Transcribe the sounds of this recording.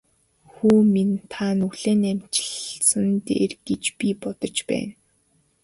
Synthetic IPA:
xuːmint̪ʰanuɮeːnæmt͡ɕɪ̥̆ɮsə̆nt̪ḛːrɡ̥et͡ɕpipɔt̪ɞ̆t͡ɕpæ̰ːn

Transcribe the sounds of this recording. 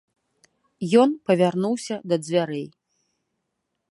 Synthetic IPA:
jɔnpɐvʲarnuwsʲɐd̪ɐd͡zʲvʲaɾɛj

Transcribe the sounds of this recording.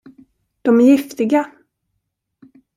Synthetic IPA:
d̪̥ɔmæɾjɪft̪ɪɡa

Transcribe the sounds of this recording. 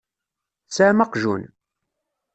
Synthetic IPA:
sæmɑqʒṵn

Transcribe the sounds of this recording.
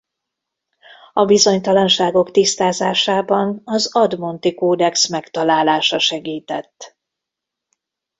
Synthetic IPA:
ɒbizo̞ɲt̪ɒlɒnʃaːɡo̞kt̪ist̪aːzaːʃaːbɒnɒzɒd̪mo̞nt̪ikoːd̪ɛksmɛkt̪ɒlaːlaːʃɒʃɛɡiːt̪ɛt̪ː

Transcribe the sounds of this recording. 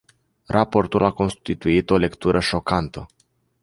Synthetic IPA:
rʔapo̞rt̪ulako̞nst̪it̪uit̪o̞le̞kt̪uɾʔəʃo̞kant̪ə

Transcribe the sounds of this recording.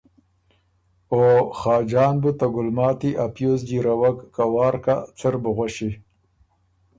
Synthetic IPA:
oxɑːd͡ʒɑːnbut̪aɡʊlmɑːt̪iʔapjozɡiɾawakːawɑːɾkat͡sɪɾbuɣʷwaʃi

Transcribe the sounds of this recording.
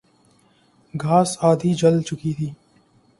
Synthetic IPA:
ɡʱaːsaːd̪ʱiːd͡ʒəlt͡ʃʊkiːt̪ʰiː

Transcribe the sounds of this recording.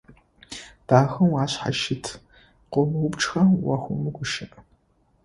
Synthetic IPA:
d̥aːxɐmwaːɕħa̰ʃɪtʰ | qʷɔmɨwʊpʈ͡ʂʼxɐwɐxʷʊmɨɡʷʊʃɐʔ

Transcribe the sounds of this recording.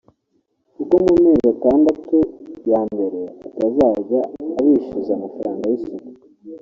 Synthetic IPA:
kukomumeːzataːndatojaːmbe̞ɾe̞atazaːɟaːβiːʃizamafaɾaːŋɡajisik

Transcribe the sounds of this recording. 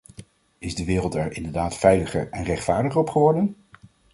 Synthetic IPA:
ɪzdəʋɪːrəlˠtɛɹɪndəɹdaːtfɛjləχəɹɛnrɛχtfaːɹdəχəɹɔpχəʋɔɹdən

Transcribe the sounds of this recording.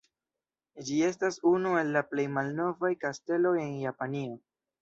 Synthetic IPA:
d͡ʒie̞s̬tasunue̞lːaple̞jmalno̞vajkaste̞lo̞je̞njapanio̞

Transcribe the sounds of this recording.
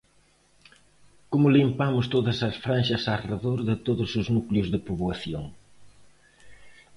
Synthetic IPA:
komʊlimpamʊst̪oðɐsɐsfɾanʃɐsareðoɾðɪt̪oðʊsʊznukljʊzðɪpuβwɐθjoŋ

